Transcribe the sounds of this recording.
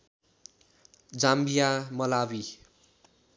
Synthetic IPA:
d͡zambijamʌlawi

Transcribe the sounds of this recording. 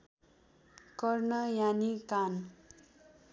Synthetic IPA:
kʌrnʌjanikan

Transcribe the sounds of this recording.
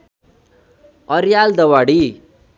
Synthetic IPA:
ʌɾjald̪ʌwaɽi

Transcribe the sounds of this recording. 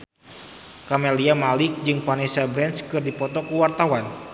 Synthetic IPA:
kamɛliamalɪk̚d͡ʒɨŋpanɛsabɾɛnskɨrdipɔt̪ɔkuwart̪awan

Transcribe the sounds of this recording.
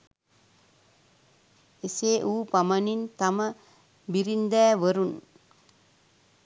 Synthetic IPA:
eseːʔuːpamənint̪amə | biɾind̪ɛːʋəɾun

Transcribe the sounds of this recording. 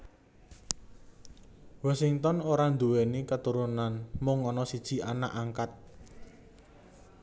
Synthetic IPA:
wasiŋt̪ɔnoɾand̪uwenikət̪uɾunanmʊŋːɔnɔsid̥ʒ̥i̤ana̰ʔaŋkat̪̚

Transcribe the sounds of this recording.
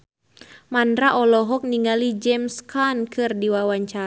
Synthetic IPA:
mandɾaʔɔlɔɦɔk̚niŋɡalid͡ʒɛmskankʰɨrdiwawaɲt͡ʃa

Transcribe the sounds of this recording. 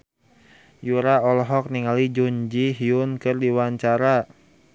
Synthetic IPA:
juɾaɔlɔɦɔk̚niŋalid͡ʒuɲd͡ʒiɦiunkɨrdiwaɲt͡ʃaɾa

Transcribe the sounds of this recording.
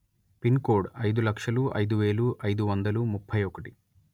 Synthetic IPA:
pinkoːɖɐjd̪ulɐkʂɐluʔɐ̰jd̪uʋe̞ːɭuʔɐjd̪uʋɐnd̪ɐlumupʰːɐjɔkɐʈi̥

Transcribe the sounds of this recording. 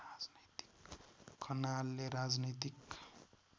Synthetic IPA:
ad͡znit̪i̥kːʰʌnalːeɾad͡znit̪ik

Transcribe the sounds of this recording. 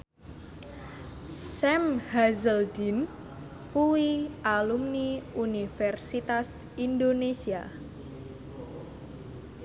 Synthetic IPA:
sɛmhazəldin | kuwiʔalumniunifɛrsit̪as | ind̪onesia

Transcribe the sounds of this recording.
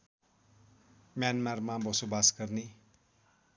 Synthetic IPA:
mjanmarmabʌsobasɡʌrni

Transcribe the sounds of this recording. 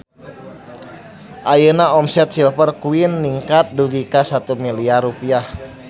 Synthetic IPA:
ʔajənaɔmsɛt̪̚silpərkuinːiŋkat̪̚duɡikasat̪umiliarupiah

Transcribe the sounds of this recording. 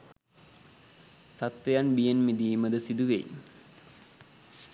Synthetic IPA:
sat̪ʋejanbijenmid̪iːməd̪əsid̪uʋḛḭ

